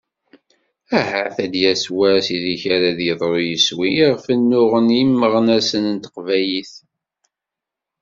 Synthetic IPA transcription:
æɦəθæd̪jæswæsiliçaɾaðjəðˤɾˤojəswiʁfənːʊʁənimːəʁənæsənənt̪ə̥qvæjiθ

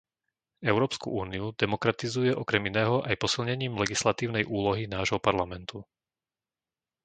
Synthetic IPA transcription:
ɛʊɾɔːpskṵʔuːniud̪ɛmɔkɾat̪izujɛʔɔkɾɛminɛːɦɔʔajpɔsilɲɛɲiːmlɛɡislat̪iːʊnɛjʔuːlɔɦinaːʒɦɔpaɾlamɛnt̪ʰu

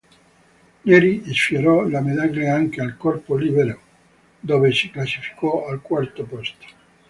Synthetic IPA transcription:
nɛɾiisfjoɾɔlamed̪aɡleaŋkealkɔrpolibeɾo | d̪oːvesiklasi̥fi̥kɔalkwart̪opɔst̪o̥

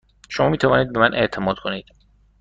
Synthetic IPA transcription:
ʃomɒːmiːt̪ʰævɒːniːd̪̚bemænʔe̞̰ʔt̪ʰe̞mɒːd̪̚kʰo̞niːd̪̥

